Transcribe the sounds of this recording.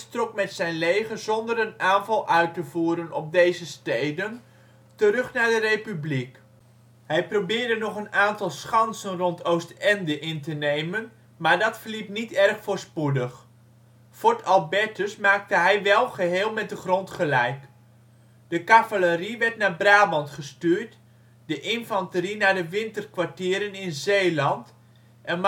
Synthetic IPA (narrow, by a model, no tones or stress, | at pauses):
strɔk̚mɛtsɛjnlejχəzɔndəɾənaːnvɑlˠʔœɥtəvuːɾənɔp̚dejzəstejdən | təɾɵχnaːɹdərejpyblik | hɛjprowbɪːɹdənɔχənaːntɑlˠsχɑnsənrɔntʰowstɛndəʔɪntənejmən | maːɹdɑtfəɹlip̚nitɛrχfʊːɹspudəχ | fʊɹtɑlˠbɛtəsmaːk̚təɦɛjʋɛlˠχəɦeːlˠmɛt̚dəχrɔntχəlɛjk | d̥əkavaləɾiʋɛɹtnaːɹbraːbɑntχəstyːɹt | dəʔɪnfɑntəɾinaːɹdəʋɪntərkʋaɹtɪːɾənɪnzejlɑnt | ʔɛnm